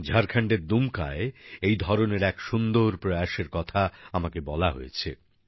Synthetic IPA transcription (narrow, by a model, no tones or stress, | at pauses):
d͡ʑʱaɾkʰaɳɖeɾd̪umka̰eejd̪ʱɔɾoneɾɛkʃund̪oɾpɾojaʃeɾkɔt̪ʰaamakebɔlaɦojet͡ɕʰḛ